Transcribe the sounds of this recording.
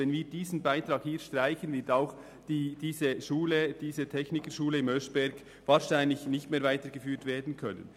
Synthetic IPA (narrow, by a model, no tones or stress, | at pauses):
ɛnviːɾdiːzn̩baɪtɾɑːkhiːɾʃtʁaɪçən̩vɪtaʊx | d̥iːd̥iːzəʃuːləd̥iːzətʰɛçnɪkəʃuːləɪmœsb̥ɛɾɡ | vaːɾʃaɪnlɪçnɪçtmeːɾvaɪtəɾɡəfyːtveːdn̩kʰœnə̰n